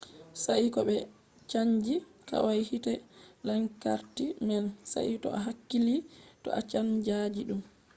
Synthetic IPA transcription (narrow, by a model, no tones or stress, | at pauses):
saikɔɓɛ | t͡ʃaɲd͡ʒika̰wajhitɛlaŋka̰ɾtimɛnsa̰ʔitɔ̰aɦakːilitɔ̰ʔat͡ʃand͡ʒad͡ʒiɗum